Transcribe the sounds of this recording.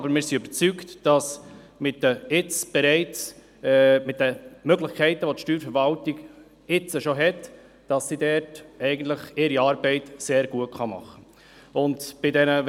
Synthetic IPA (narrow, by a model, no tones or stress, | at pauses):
bəɾmɪːɾsiøbət͡syktd̥ɑs | mɪtdəɪt͡sb̥ɛɾɛɪt͡s | mɪt̚d̥əmøɡlɪχkʰɛɪtəʋotʃtyːɾfəɾvɑltiɡ | ɪt͡səʃoɦɛt | d̥ɑsːidɛɾtɛɪɡən̩t̪ləχɪɾiɑːɾbɛɪtseːɾɡ̥uətχɑmɑ̰χə | ʊndb̥ɪdɛnə